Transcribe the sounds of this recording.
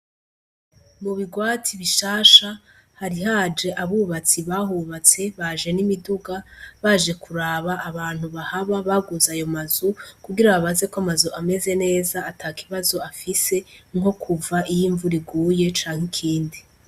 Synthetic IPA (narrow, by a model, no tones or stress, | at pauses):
muβiɡwaːtiβiʃaːʃa | haɾiɦad͡ʒe̞ʔaβuβat͡siβaɦuːβat͡se̞βaʒe̞nimiduɡaβaʒe̞kʰuɾaːβaʔːβaːn̥huβahaβaβaɡuzajo̞mazukuɡiɾaβaβaze̞koamazuʔame̞ze̞ne̞ːzaːtʰaːkʰiβazo̞afise̞ŋ̥o̞kʰuvaʔijiːɱvuɾiɡuːje̞t͡ʃaːŋ̥ikʰiːndi